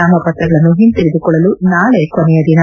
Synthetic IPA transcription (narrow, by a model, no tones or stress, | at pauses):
aːmɐpɐt̪ɾɐɡɐɭɐnːuɦint̪iɾid̪ukɔɭːɐlunaːɭe̞konɛjɐd̪inɐ